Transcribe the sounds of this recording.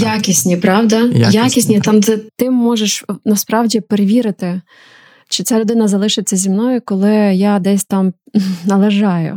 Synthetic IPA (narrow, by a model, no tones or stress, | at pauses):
jakʲisʲnʲipɾɑwd̪ɐjakʲisʲnʲit̪ɑmɛt̪ɪmːɔʒeʃnɐspɾɑwdʲipeɾeʋʲiɾɪt̪ɪ | t͡ʃɪt͡sʲaɾʊd̪ɪnɐzɐlˠɪʃɪt͡sʲːɐzʲimnɔjʊkɔlˠɪjad̪ɛsʲt̪ɑm | nɐlˠeʒɑjʊ̰